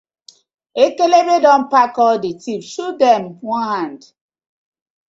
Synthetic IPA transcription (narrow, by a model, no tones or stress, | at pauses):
ekelebedɔ̃mpakɔdetifʃudɛmwɔ̃nhãnd